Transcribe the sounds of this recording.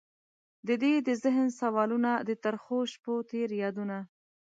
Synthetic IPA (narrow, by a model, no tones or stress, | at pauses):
d̪əd̪ed̪əzɪɦnsawɑlunad̪ət̪aɾxoʃpot̪eɾjɑd̪una